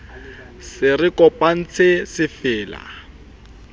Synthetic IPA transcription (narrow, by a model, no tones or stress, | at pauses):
sɪrɪkɔpʼan̩t͡sʰɪsɪfɪːla̰